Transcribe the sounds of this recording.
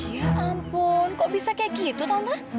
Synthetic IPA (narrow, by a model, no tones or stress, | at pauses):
jaʔampʊnkɔʔbisakajakit̪ut̪ant̪a